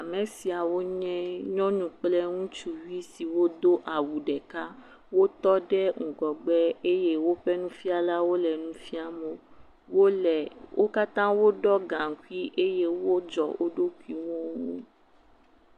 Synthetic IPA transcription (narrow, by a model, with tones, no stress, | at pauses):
a˨mɛ̃˨˦si˦a˨wo˦ɲɛ̃˦ɲɔ̃˦nũ˨k͡plɛ˦ŋũ˦t͡ʃu˨wi˦si˨wo˦d̪o˦ʔa˨wu˨ɖɛ˨ka˦ | wo˦t̪ɔ˦ɖɛ˦ŋ̩˨ɡɔ˨ɡ͡bɛ˦e˦je˦wo˦ɸɛ˦nũ˦fi˦a˨la˦wo˦lɛ˨nũ˦fi˦a˦mõ˨ | wo˦lɛ˨wʔo˦ka˦t̪ã˦wo˦ɖɔ˦ɡã˨ŋ̩˨kʷi˦ʔe˦je˦wo˦d͡ʒɔ˨o̰˦ɖo˦kʷi˨˦wɔ̃˦wõ˦